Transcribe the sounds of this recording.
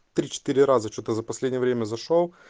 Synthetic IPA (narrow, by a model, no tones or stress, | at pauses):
t̪ɾʲit͡ɕɪ̥t̪iɾʲɪɾazət͡ɕot̪əzəpɐsʲlʲedʲnʲjəvɾʲemʲəzɐʂo